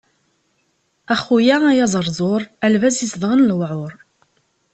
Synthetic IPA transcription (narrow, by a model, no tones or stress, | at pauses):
æχujææjɑzˤəɾˤzˤoɾˤælvæzisðʁənlwʕʊɾˤ